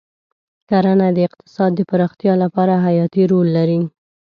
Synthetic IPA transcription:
kaɾanad̪əɪqt̪ɪ̥sɑd̪ːəpaɾɑxt̪jɑlapɑɾaɦajɑt̪iɾolːaɾi

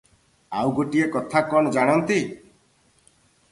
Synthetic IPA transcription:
awɡoʈiekɔt̪ʰakɔɽ̃ɔd͡ʒaɽ̃ɔnt̪i

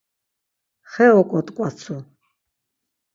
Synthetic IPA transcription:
χɛɔkʼɔt̪ʼkʼat͡sʰu

